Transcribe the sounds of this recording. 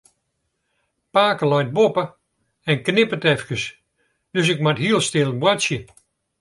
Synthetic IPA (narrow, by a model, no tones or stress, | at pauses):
paːkəlɔjt̚bopə | ɛnknɪpətɛfkəs | d̥øs̬ɪkmatɦiəlˠstɪlˠəbwasjə